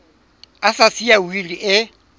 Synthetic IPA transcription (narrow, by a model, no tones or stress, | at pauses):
asasiawiliʔɪ